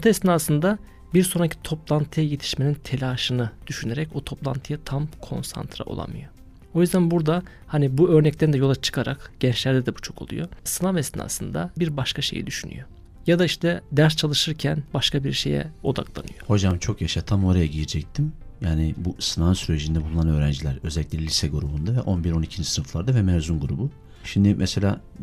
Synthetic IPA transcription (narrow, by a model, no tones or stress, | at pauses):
t̪ʰaɛsnaːsɯnd̪a | biɾso̞nɾacʰi̥t̪ʰo̞plˠant̪ʰɯjajet̪ʰi̥ʃme̞nint̪ʰe̞lʲaːʃɯnɯd̪̥yʃyne̞ɾɛc̚but̪ʰo̞plˠa̰nt̪ʰɯjat̪ʰamkʰo̞̰nsa̰nt̪ʰɾa̰ʔolˠa̰mɯ̰jo | ojyzd̪ænbuɾd̪a | hanibuøɾnɛc̚t̪ʰænd̪ɛjo̞lˠat͡ʃʰɯ̥kʰaɾakɟ̥ɛnt͡ʃlʲæɾd̪ɛd̪ɛbu̥t͡ʃʰo̞kʰo̞lˠṵjo̞sɯnavɛsna̰ːsɯnd̪a̰biɾbaʃkaʃe̞̰jḭd̪yʃyny̰jo̞ | jad̪aiʃt̪ʰɛd̪æɾst͡ʃʰalˠɯʃɯɾcʰænbaʃkʰabiɾʃe̞̰jɛ̰o̞d̪a̰klˠa̰nɯjoho̞d͡ʒamt͡ʃʰo̞kjaʃat̪ʰamo̞ɾajaɟijid͡ʒɛc̚t̪ʰimjaːnibusɯnaɯnsyɾed͡ʒind̪ɛbulˠunanø̞ːɾænd͡ʒilʲæɾø̞zɛlʲːicʲlʲɛlʲisɛɡuɾubund̪avɛʔo̞nbiɾo̞nicʰind͡ʒisnɯflˠaɾd̪avɛmɛːzunɡuɾubu | ʃimd̪ɪmʔɛselʲaː